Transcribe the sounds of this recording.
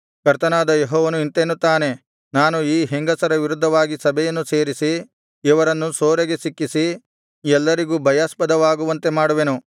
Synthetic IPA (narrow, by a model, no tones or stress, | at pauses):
kɐɾt̪ɐnaːd̪ɐjeɦɔːʋɐnuint̪eːnːut̪ːaːne̞ | naːnuiːɦeŋɡɐsɐɾɐʋiɾud̪ʱːɐʋaːɡisɐbʱɛjɐnːuse̞ːɾisi | iʋɐɾɐnːusoːɾeɡe̞sikːisi | ɛlːɐɾiɡuːbʱɐjaːspɐd̪ɐʋaːɡuʋɐnt̪e̞maːɽuʋenu